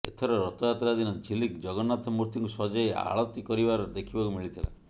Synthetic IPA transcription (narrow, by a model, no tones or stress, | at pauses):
et̪ʰɔɾɔɾɔt̪ɔjat̪ɾad̪inɔd͡ʒʱilikd͡ʒɔɡɔnat̪ʰɔmuɾt̪iŋkusɔd͡ʒaea̰ɭɔt̪ikɔɾibaɾɔd̪ekʰibakumiɭit̪ʰila̰